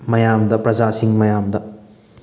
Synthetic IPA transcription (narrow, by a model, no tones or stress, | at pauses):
mɐjamdɐpɾɐd͡ʒasiŋmɐjamdɐ